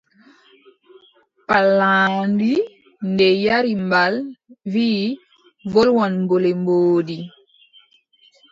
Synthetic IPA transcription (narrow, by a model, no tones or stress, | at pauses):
palːaːndi | ndɛjaɾimbalviː | vɔlwɔnmbolɛmboːdi